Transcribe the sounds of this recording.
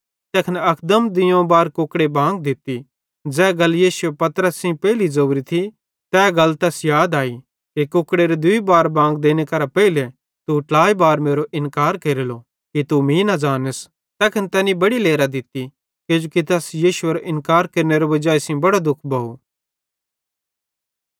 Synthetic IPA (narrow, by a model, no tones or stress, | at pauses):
t̪ɛːkʰənɐkʰd̪əmd̪ɪjõbaːɾkʊkɽebʱãːŋɡ̚d̪ɪt̪i | d͡zɛːɡɐljiːʃʊepɐt̪ɾəsːĩpɛːɪlizɐbɾit̪ʰi | t̪ɛːɡɐlt̪ɛsjaːd̪aːi | kekʊːkɽeɾed̪ʊibaːɾbʱãːŋɡd̪eːnekɐɾapɛɪle | t̪uʈlaːibaːɾmeːɾoʔɪ̃nkaːɾkeːɾelo | kit̪umĩːnad͡ʒaːnəs | t̪ɛːkʰɐnt̪ɛːnĩbɐɽileːɾad̪ɪt̪i | ked͡ʒokit̪ɛsjiːʃʊeɾoʔɪ̃nkaːɾkeːɾneɾobɐd͡ʒaːisĩbɐɽad̪ʊkʰbɐɦu